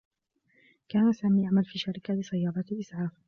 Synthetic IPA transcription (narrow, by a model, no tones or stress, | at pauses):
kaːnasaːmiːʔaʕmalfiːʃaɾɪkalɪsajːɑːɾˤɑlʔɪsʕaːf